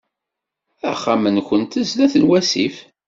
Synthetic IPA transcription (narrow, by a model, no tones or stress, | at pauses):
æχːamənkʷənt̪əzlæθənwæsif